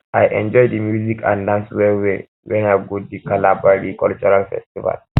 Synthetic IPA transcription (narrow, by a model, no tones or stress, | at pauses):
ʔajʔɛ̰̃nd͡ʒɔjdəmjuzikʰã̰ndãnswewe | wɛnaɡodikalabaɾikult͡ʃuɾalfɛ̰stiva̰l